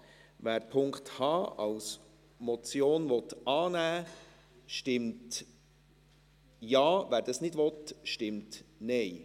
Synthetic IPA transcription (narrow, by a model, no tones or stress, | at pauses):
ʋæːɾpʰʊŋkthɑːɑ̰ws | mɔt͡sjoːnʋɔt̪ɑːnæː | ʃtɪmt | jɑːvæːɾd̥ɑsnɪdʋɔtʃtɪmtnɛɪ